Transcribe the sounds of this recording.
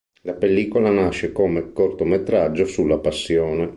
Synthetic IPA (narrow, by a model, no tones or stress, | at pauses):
lapelːiːkolanaʃːekomekort̪omet̪ɾad͡ʒːosulːapasːjɔːne